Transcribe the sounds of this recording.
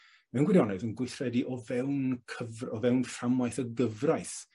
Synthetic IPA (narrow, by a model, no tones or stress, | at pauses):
mɛwnɡwɪdjɔnɛvənɡwɪθrɛdiʔɔvɛwnkʰəvrɔvɛwnfamajθəɡəvrajθ